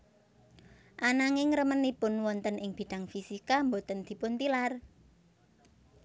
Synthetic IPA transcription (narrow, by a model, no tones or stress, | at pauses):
ʔanaŋɪŋɾəmənipʊnwɔnt̪ənʔɪŋb̥i̤ɖ̪̥a̤ŋfisikambot̪ənd̪̥i̤pʊnt̪ilar